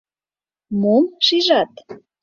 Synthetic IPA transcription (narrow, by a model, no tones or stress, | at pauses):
momʃiʒɑt̪